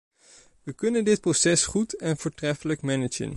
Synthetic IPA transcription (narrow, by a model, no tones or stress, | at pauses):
ʋəkɵnəndɪt̚prosɛsχutɛnvʊːɹtrɛfələkmɛnəd͡ʒə̰n